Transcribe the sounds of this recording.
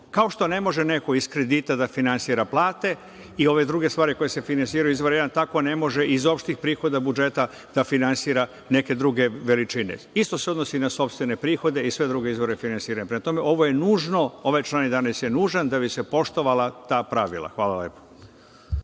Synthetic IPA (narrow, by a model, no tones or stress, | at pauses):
kao̞ʃt̪o̞nemo̞ʒene̞ko̞iskɾe̞d̪it̪ad̪afinansiɾaplˠaːt̪e̞ | io̞ʋe̞d̪ɾuɡe̞st̪ʋaːɾiko̞jese̞finansiːɾajuizʋo̞ɾjed̪ant̪ako̞ne̞mo̞ʒeʔizo̞pʃt̪ixpɾiːxo̞d̪abud͡ʒe̞t̪a | d̪̥afinansiːɾa | ne̞ke̞d̪ɾuɡe̞ʋe̞lit͡ʃinḛist̪o̞se̞od̪nosinaso̞pst̪ʋene̞pɾiːxo̞d̪e̞isʋe̞d̪ɾuɡeizʋo̞ɾefinansiːɾaɲepɾemat̪o̞me̞ʔo̞ʋoje̞nuːʒno̞o̞ʋajt͡ʃlˠanid̪anesjenuːʒand̪abise̞po̞ʃt̪o̞ʋalˠat̪aːpɾaʋḭlˠa̰xʋaːlˠaleːpo̥